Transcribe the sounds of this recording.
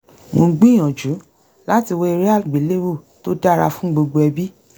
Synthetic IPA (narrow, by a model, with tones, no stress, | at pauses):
mõ˧ɡ͡bĩ˦˨j̃ã˨d͡ʒu˨˦ | la˦ti˧wo˦i˧ɾi˦a˦˨lɡ͡bi˨˦le˦wu˦˨ | to˦da˦˨ɾa˧fũ˦ɡ͡bo˧ɡ͡bo˧ɛ˧bi˦